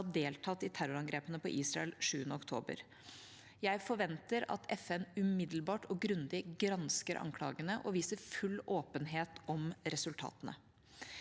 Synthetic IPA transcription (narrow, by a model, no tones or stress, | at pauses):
d̪eːlt̪ʰɑt̪ːɪt̪ʰæɾʊɾɑŋɡɾeːpənəpɔʔiːsɾɑ̰ɛlʂʉːənəɔkt̪ʰo̰ːbə̰ɾ | jæɪfɔɾʋɛnt̪əɾɑ̰t̪ʰɛfɛnʉmɪd̪l̩bɑːʈɔɡɾʉnd̪ɪɡɾɑnskəɾʔɑ̰ŋkʰlɑ̰ːɡənəʔɔʋiːsəɾfʉlːoːpənɦeːt̪ɔmɾɛsʉlt̪ʰɑ̰ːt̪ənə̰